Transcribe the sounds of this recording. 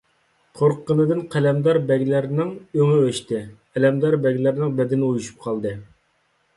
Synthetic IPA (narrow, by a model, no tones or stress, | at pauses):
qʰoɾqʰːənɨd̪ɨnqʰɛlɛmd̪ɑɾbɛɡʲlæɾnɪŋøŋɪøʃt̪ɪ | ɛlɛmd̪ɑɾbɛɡʲlæɾnɪŋbɛd̪ɪnɪujuʃu̥p̚qʰɑlˠd̪ɨ